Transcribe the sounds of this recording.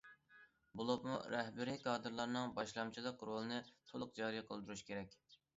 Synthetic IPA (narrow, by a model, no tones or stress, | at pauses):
bulˠopmṵɾɛhbɪɾikʰɑːd̪ɨɾlˠɑɾnɨŋbɑʃlˠɑmt͡ʃʰilˠəqɾolˠɨnɨt̪ʰolˠʊq̚d͡ʒɑɾijqʰəlˠd̪uɾuʃkʲʰeɾɛk̚ʲ